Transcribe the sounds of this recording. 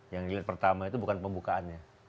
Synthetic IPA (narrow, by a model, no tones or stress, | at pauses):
jaŋdiliat̪̚pərt̪amait̪ubukanpəmbukaanɲa